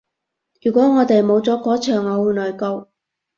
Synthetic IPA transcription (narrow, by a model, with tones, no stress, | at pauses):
jyː˨kʷɔː˨˥ŋɔː˨˧t̪e˨jmo˨˧wt͡sɔː˨˥kɔː˨˥t͡ʃʰœː˨˩ŋɔ˨˧wu˨nlɔː˨˩jko˧w